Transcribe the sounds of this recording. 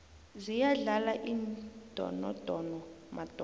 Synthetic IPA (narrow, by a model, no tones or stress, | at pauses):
zijaɮalaʔiːnd̥ʱɔ̰nɔ̰d̥ʱɔnɔmad̥ʱɔ